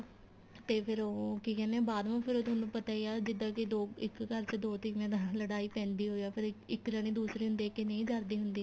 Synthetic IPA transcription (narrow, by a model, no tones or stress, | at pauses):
t̪eːpʰɪɾoːkiːkɛːnɛ̃ːbaːd̪ʋãːpʰɪɾoːt̪̬ːnũːpət̪aːiaːd͡ʒɪd̪ãːkɪd̪oːɪkkəɾt͡ʃəd̪oːt̪ɪkmɛ̃ːd̪aːləɽaːiːpɛ̃ːnd̪iːɦoːijaːpʰɪɾɪkːɾəñĩːd̪uːsɾiːɦʊnd̪eːkenə̃ĩːd͡ʒaːɾd̪iːɦʊnd̪iː